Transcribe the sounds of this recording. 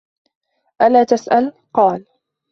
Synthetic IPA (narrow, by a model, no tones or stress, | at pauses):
ʔalaːt̪asʔal | qɑːl